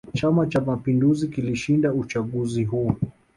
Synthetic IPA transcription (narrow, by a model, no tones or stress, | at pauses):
t͡ʃamat͡ʃamapinduzikiliʃindaut͡ʃaɠuziɦuː